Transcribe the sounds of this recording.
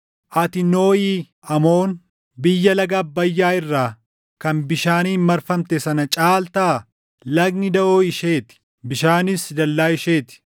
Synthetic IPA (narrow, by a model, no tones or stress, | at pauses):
ʔɐt̪ɪno̞ːiː | ɐmo̞ːn | bɪjːɐlɐɡaːbːɐjːaːɪrːaː | kɐnbɪʃaːniːmmɐɾfɐmt̪ɛsɐnɐt͡ʃʼaːlt̪aː | lɐɡnɪd̪ɐʔoːɪʃeːt̪ɪ̥ | bɪʃaːnɪsd̪ɐlːaːɪʃeːt̪ɪ̥